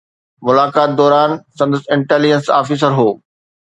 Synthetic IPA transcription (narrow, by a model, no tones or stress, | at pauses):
mʊlaːkaːt̪̚d̪ɔːɾaːnsɐ̃nd̪əsɪ̃ɳʈeːlid͡ʑənsa̰ːfiːs̬əɾɦoː